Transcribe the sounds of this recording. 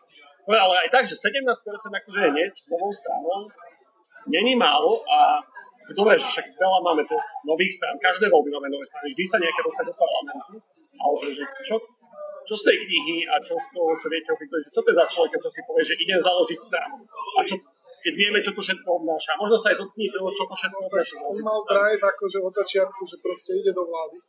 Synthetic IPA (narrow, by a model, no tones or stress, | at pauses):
ɔɛalɛajt̪aɡʒɛsɛɟɛmnaːsc̚pɛɾt͡sɛnd̪akɔʒɛɦɲɛcsnɔʋɔʊst̪ɾa̰nɔʊ | ɲɛɲimaːlɔʔa | d̪ɔbɾɛːʒɛfʃaɡʋɛlamaːmɛpɔnɔʋiːxst̪ɾa̰ːnkaʒd̪ɛːʋɔlbimaːmɛnɔʋɛːst̪ɾanivʒd̪isaɲɛakɛd̪ɔst̪aɟ̚d̪ɔpaɾla̰mɛnt̪u | ʔa̰lɛbɔʒɛt͡ʃɔ | t͡ʃɔst̪ɛjkɲiɦiat͡ʃɔst̪ɔɔt͡ʃɔvɪɛcɛʊfit̪ɔiʒɛt͡ʃɔt̪ɛzat͡ʃlɔʋɛkat͡ʃɔsipɔʋɪɛʒɛʔiɟɛmzaːlɔʒicst̪ɾa̰ːnuat͡ʃɔ | kɛɟʋɪɛmɛt͡ʃɔt̪ɔfʃɛt̪kɔɔd̪naːʃaːmɔʒnɔsaajd̪ɔt̪kɲit̪ɔɦɔt͡ʃɔt̪ɔfʃɛt̪̚kɔɔb̪naːʃaɔɔmalt̪ɾajvakɔʒɛɔd̪zat͡ʃɪat̪kuʒɛpɾɔscɛiɟɛd̪ɔʋlaːd̪i